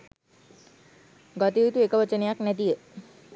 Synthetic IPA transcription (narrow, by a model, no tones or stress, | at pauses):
ɡɔt̪iːt̪uekəʋət͡ʃənejaknæt̪ijə